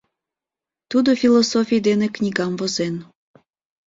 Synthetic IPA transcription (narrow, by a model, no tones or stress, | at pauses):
t̪ud̪ofʲilosofʲijd̪eneknʲiɡɑmvozen